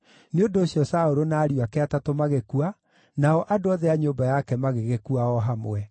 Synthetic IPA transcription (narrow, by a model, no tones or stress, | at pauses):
neondoːsjɔsaoɾonaːɾiwakeatatomaɣekua | naɔʔadoɔðɛaɲombajakɛmaɣeɣekuaɔɦamwɛ